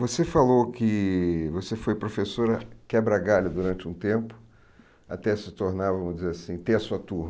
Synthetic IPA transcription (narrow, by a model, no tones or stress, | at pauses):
vosefalowkɪvosefojpɾofesoɾɐkɛbɾaɡalɐd̪uɾɐ̃nt͡ʃɪũt̪ẽmpʊ̥ | at̪ɛsɪt̪oɾnaɾvɐ̃mʊd͡ʒɪzeɾasĩt̪ẽɐsuɐt̪uɾn